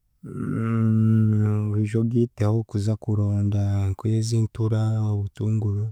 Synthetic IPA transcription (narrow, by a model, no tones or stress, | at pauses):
uɾiʒobɡiːteahokuzakuɾoːndaŋkujeziːntuɾaoβutuːŋɡuɾu